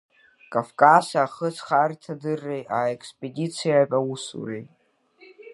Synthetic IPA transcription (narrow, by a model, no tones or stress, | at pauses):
kʼavkʼasaːχət͡sʰχartʰadɨrːejaːekʰspʼedit͡sʰijapʼausṵrejtʼ